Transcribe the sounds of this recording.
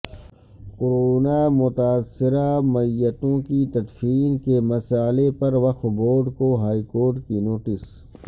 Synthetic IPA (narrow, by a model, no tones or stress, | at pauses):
kʊɾoːnamʊt̪aːsɪɾamɐjət̪õkit̪ɐd̪fiːnkemɐsaːlepɐɾʋɐxboːɖkoɦaːikoːɾʈkinoːʈɪs